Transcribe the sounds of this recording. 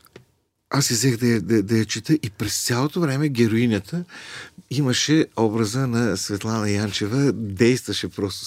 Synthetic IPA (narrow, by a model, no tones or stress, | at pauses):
asizɛxd̪ɐjɐd̪ɐd̪ɐjɐt͡ʃit̪əʔipɾɛst̪sʲalˠot̪ovɾɛmɛɡʲɛɾoinʲət̪ʰə | iməʃɛɔbɾəzənɐsvɛt̪lˠanɐjant͡ʃɛvəd̪ɛjst̪vəʃɛpɾɔst̪o̥